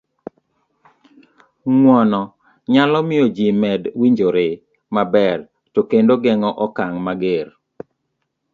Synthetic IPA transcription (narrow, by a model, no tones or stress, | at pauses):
ŋwɔnɔ | ɲalɔmɪɔd͡ʒimɛdwiɲd͡ʒoɾe | mabɛr | tokendoɡɛŋɔʔɔkaŋmaɡer